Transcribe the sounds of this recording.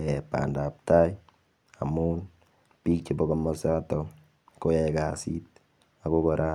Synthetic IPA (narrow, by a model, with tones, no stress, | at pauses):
ɛpa̰˨nda˨p̚ta˦j | a˨mun | pi˦k̚t͡ʃi˨bɔkɔ˨mɔ˨sa˦tɔ˨ | ko˦jɛ˨ka˨sḭ˦t̚ | a˨ko˦kɔ˨ɾʔa˦